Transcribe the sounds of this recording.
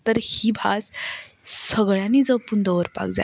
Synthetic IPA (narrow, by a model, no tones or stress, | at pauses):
t̪əɾhibʱas | səɡɭãnid͡zəpund̪ɔʋəɾpa̰kd͡za̰